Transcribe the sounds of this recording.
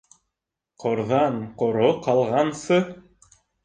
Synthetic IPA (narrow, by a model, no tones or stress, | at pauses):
qŏɾðɑɴqŏɾoqɑlˠʁɑnsɤ